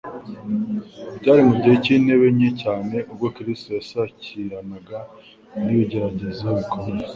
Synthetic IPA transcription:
bɟaːɾimubɟieciːne̞βe̞mɲecaːne̞ʔubɡo̞kiɾistojasaciɾanaɡa | niβiɟe̞ɾaɟe̞zijoβukome

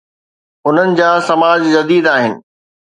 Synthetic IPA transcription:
ʊn̤ənɪ̆d͡ʑaːsɐmaːd͡ʑd͡ʑɐd̪iːd̪aːɦɪnɪ̰̆

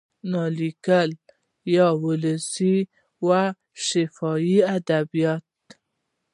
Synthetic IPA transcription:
nɑlikəl | jɑwʊləsi | wa | ʃɪfɑjiad̪abijɑt̪̚

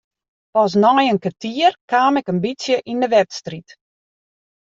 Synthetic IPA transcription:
pɔs̬nɔjənkatiərkaːmɛkəmbisjəʔindəʋɛtstrit

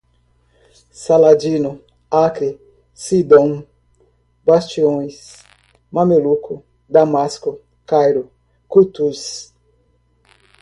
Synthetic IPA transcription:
salad͡ʒinʊ | akɾi | sid̪õŋ | bast͡ʃiõj̃s | mamelukʰʊ | d̪amaskʊ | kajɾʊ | kut̪us

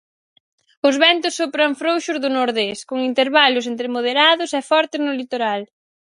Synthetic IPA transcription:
ʊzβɛnt̪ʊsːopɾɐŋfɾowʃʊzðʊnoɾðeskoŋint̪eɾβalʊs̬ent̪ɾɪmoð̞eɾaðʊsɛfɔɾt̪ɪznʊlit̪oɾal

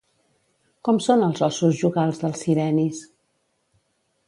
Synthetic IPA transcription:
kɔmsonəlˠzɔsuzʒuɣalˠzðəlˠsiɾɛnis

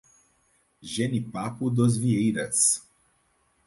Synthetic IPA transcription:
ʒɛnipapud̪ɔzviɛiɾɛt̪s

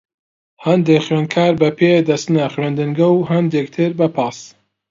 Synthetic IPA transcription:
hɐnd̪eːxwɥeːnkʰaːɾbɐpʰeːd̪ɐst̪nɐχwɥend̪ɨŋɡɐwɦɐnd̪eːk̚t̪ʰɨɾbɐpʰɑːs

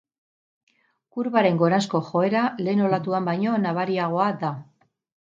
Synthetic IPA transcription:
kuɾβaɾe̞ŋɡo̞ɾasko̞xo̞e̞ɾale̞ːno̞lat̪uambajɲo̞naβ̞aɾiaɣ̞o̞ad̪a

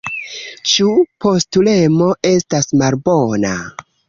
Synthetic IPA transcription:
t͡ʃupo̞stule̞mo̞ʔe̞stasmalbo̞na̰

